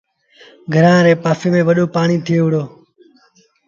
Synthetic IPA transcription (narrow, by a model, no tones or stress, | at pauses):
ɡʱəɾãːɾeːpaːfeːmẽːʋəɗoːpaːɳiːt̪ʰɪeːʋʊɽoː